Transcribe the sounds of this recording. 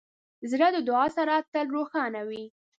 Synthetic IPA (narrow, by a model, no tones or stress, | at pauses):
zɾad̪əd̪ʊɑsaɾat̪əlɾoxɑnawi